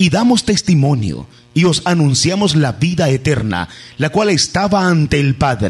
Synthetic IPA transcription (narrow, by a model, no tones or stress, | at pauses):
iðamo̞st̪e̞st̪imo̞njo̰ | io̞sanũnsjamo̞zlaβiðaet̪eɾna̰lakwale̞st̪aβaːnt̪e̞ːlpaðɾ